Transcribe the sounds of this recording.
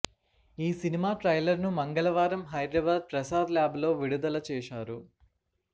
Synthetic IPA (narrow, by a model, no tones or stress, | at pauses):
iːsinimaːʈɾɐjlɐɾnumɐŋɡɐɭɐʋaːɾɐmɦɐjɖɾɐʋeld̪̚pɾɐsaːd̪laːblo̞ːʋiɽud̪ɐlɐt͡ʃɛːʃaːɾu